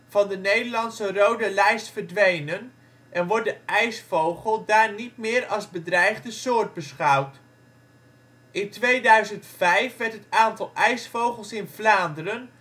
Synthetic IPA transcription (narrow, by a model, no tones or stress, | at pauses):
v̥ɑndənejdəɹlɑnsərowdəlɛjstfəɹdʋejnən | ʔɛnʋɔɹ̚dəɛjsfowχəlˠdaːɹnit̚mɪːɹɑlˠzbədrɛjχdəsʊːɹd̚bəsχɑwt | ʔɪntʋejdœɥzəntfɛjfʋɛɹtɦətaːntɑlˠɛjsfowχəlˠsɪnvlaːndərən